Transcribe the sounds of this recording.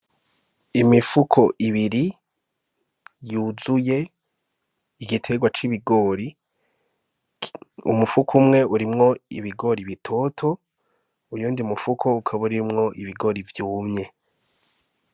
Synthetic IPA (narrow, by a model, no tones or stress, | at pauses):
imifukʰo̞ʔiβiɾi | juzuje̞ | ɡitʰe̞ɡwat͡ʃiβiɡo̞ːɾi | ṵmufukʰumŋe̞uɾimŋo̞ḭβiɡo̞ɾiβitʰo̞tʰo̞ | ujuːndiumufukʰo̞ukʰaβuɾimŋo̞ʔiβiɡo̞ɾivjuːmɲe̞